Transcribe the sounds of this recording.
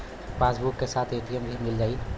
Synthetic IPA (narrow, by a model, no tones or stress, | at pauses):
pasbukːesat̪ʰeʈijəmɡʱimild͡ʒəj